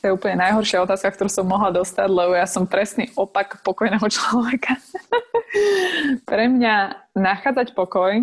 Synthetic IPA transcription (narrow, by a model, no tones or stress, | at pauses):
t̪ɔjɛuːpl̩ɲɛnajɦɔɾʃɪaɔt̪aːskak̚t̪ɔɾusɔmːɔɦlad̪ɔst̪aɟlɛbɔjasɔmpɾɛsnḭːʔɔpakpɔkɔjnɛːɦɔt͡ʃlɔʋɛkʰa | pɾɛmɲanaxaːd͡zacpɔkɔj